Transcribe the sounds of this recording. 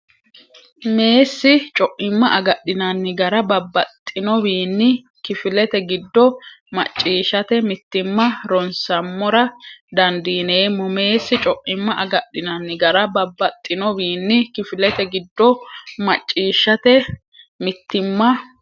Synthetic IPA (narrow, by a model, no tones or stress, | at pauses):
me̞ːsːɪt͡ʃʼɔʔɪmːɐʔɐɡɐɗːɪnɐnːɪɡɐɾɐbɐbːɐt̪ʼːɪnɔbiːnːɪ | kɪfɪlɛt̪ɛɡɪd̪ːɔmɐ̰t͡ʃʼːiːʃɐt̪ɛmɪt̪ːɪmːɐɾɔnsɐmːɔɾɐd̪ɐnd̪iːneːmːɔme̞ːsːɪt͡ʃʼɔʔʼɪmːɐʔɐɡɐɗːɪnɐnːɪɡɐɾɐbɐbːɐt̪ʼːɪnɔbiːnːɪkɪfɪlɛt̪ɛɡɪd̪ːɔmɐt͡ʃʼːiːʃːɐt̪ɛ | mɪt̪ːɪmːɐ